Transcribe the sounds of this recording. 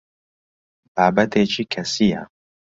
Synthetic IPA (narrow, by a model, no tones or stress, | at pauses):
baːbɐt̪ʰeːt͡ʃʰikʰɐsija̰